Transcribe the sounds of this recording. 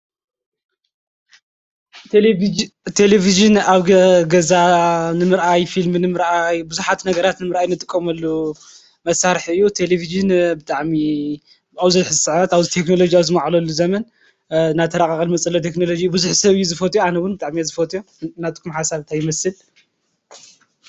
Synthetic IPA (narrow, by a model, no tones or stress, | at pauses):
t̪ʰe̞leviʒɨnaβɡɐɡɐzanɨmɨɾʔajfilmɨnɨmɨɾʔajbɨzuħat̪nɐɡɐɾat̪nɨmɨɾʔajnɨt̪ʼɨkʼːɐmɐlːu | mɐsaɾħɨjːut̪ʰe̞leviʒɨnbɨt̪ʼaʕmi | awzɐzħzɨsɨʕat̪aβzit̪ʰe̞knolo̞d͡ʒijawzɨmaʕlɐlːuzɐmɐn | naβt̪ʰɐɾakʼakʼɐlmɐt͡sʼɐlːot̪ʰe̞knolo̞d͡ʒiːubɨzuħsɐβɨjːuzɨfɐt̪ʼjoanɐwʊnbɨt̪ʼaʕmiazɨfɐt̪ʼjo | nat̪kʰumħasaβt̪ʰajɪmɐsɨl